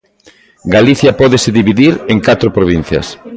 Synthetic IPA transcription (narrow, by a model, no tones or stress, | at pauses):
ɡaliθjɐpɔðeseðiβiðiɾeŋkat̪ɾopɾoβ̞in̟θjɐ̰s